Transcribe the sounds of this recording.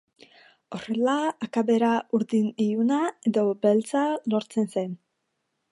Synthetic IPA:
o̞re̞laːkaβe̞ɾauɾðiniunaeðo̞belt͡salo̞ɾt͡se̞nse̞n

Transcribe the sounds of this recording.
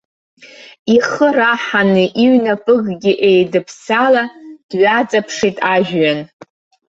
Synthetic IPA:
iχəraħanɨʔiɥnapʼɨɡɡʲiʔejdɨpʰsalad̥ɥat͡sʼapʰʂitʼaʒᶣɥan

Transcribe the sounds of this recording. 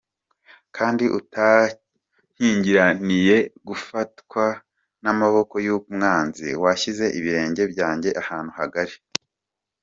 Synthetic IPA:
kʰaːndiʔuta | hiːɲɟiɾanije̞ɡufatkwa | namaβo̞ko̞jumŋaːnzḭwaçize̞ʔiβiɾe̞ːɲɟe̞bɟaːɲɟe̞ʔahaːn̥uhaɡaɾe

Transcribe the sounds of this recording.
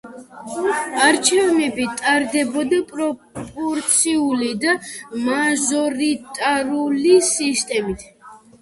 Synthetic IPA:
aɾt͡ʃʰɛvnɛbit̪ʼaɾd̪ɛbɔd̪apʼɾɔ | pʼɔɾt̪sʰiulid̪amaʒɔɾit̪ʼaɾulisist̪ʼɛmit̪ʰ

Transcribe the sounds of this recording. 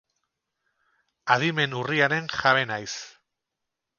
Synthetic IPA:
aðime̞nuriaɾe̞nxaβenajs

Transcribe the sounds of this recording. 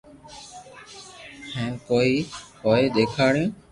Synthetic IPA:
hɛ̃ːnkoːiːhoːeːɗ̪eːkʰaːɽjõː

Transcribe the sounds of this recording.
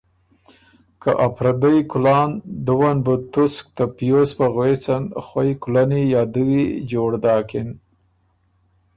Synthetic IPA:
ka̰ʔapɾad̪ajkʊlɑːnd̪əwanbət̪ʊsk̚t̪apijospaɣwet͡sanxwajkulanijɑːd̪əwid͡ʒoɽd̪ɑːkɪn

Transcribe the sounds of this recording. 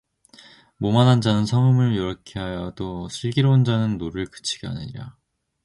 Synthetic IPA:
momanɦand͡ʑanɯnsʰʌŋɯmɯɭjoɾʌkʰeɦajʌdosʰɯɭɡiɾoɯnd͡ʑanɯnːoɾɯɭkɯ̥t͡ɕʰiɡea̰ɲiɾa̰

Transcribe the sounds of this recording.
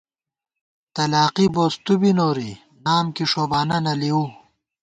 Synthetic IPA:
t̪ɐlaːqiboːst̪ubinoːɾi | naːmkiʂoːbaːnɐnɐliu

